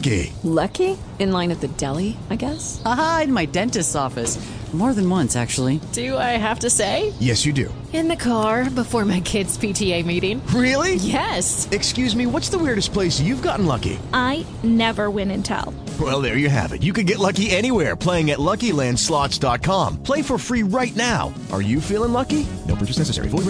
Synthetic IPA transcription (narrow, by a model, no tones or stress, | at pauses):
kḭlʌki | ɨ̃nlãɪ̃nɨt̪ðɨdɛlˠiaɪɡɛsaaɨ̃nmaɪdɛ̃ntɨstɔfɨsmɔɹðɨ̃nwʌ̃nsæ̰k̚t͡ʃul̩ˠid̥ɨaɪɦæftɨseɪjɛsjɨdʉ̰ | ɨ̃nðɨkʰɑɹbəfɔɹmaɪkʰɪdz̥pʰitʰieɪmiɾɪ̃ŋɹɪlˠijɛsɨkskjʉzmiwʌtsðəwɪɹɾɨs̚pʰl̥eɪsjʉvɡɑʔn̩lʌ̰kḭʔaɪ | nɛvə˞wɪ̃nɨ̃ntʰa̰lˠ | wɛlˠðə˞jɨɦæ̰vɨ̰tjɨkɨ̃nɡɛtˡlʌkiɛɾ̃iwɛɹpʰl̥eɪɪ̃ŋɨtˡlʌkilæ̃nd̥slɑtsd̥ɑt̚kʰɑ̃mpʰl̥eɪfə˞fɹiɹaɪtⁿnaʊ | ʔə̰˞jɨfilˠɪ̃ŋlʌkinoʊpʰt͡ʃɨsnɛsɨsɛ̰ɹḭf